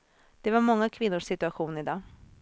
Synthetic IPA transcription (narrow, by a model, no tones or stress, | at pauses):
d̪̥ɛvaɾmɔŋːakʰvɪnːʊʂsɪt̪ɵaɧuːnɪd̪ɑː